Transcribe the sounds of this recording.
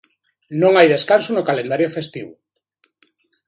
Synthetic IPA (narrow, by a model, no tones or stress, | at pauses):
nõŋajðeskansʊnokalend̪aɾjofest̪iβʊ